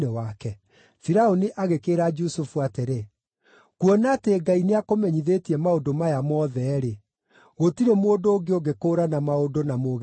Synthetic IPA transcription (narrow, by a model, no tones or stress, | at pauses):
ewakɛ | fiɾaoniʔaɣekeːɾad͡ʒusufuateɾe | kwɔnateːɡaineakomɛɲiðeːtiɛmaodomajamɔːðɛɾe | ɣotiɾemoːdoːɡeoɡekoːɾanamaodonamoːɣ